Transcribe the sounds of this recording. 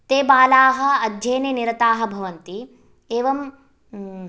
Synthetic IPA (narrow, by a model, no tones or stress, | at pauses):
t̪eːbaːlaːɦɐ̆ɐd̪ʱjeːnɐniɾɐt̪aːɦɐ̆bʱɐʋɐnt̪i | eːʋɐm